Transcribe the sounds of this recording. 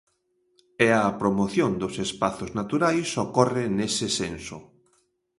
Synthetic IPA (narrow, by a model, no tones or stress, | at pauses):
ɛapɾomoθjond̪ʊsespaθʊznat̪uɾajsokɔrɪnesɪsenso̰